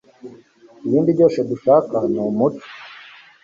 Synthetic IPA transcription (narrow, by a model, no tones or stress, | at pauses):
iβiːndiɟoːse̞d̪uʃaːkanumut͡ʃo̥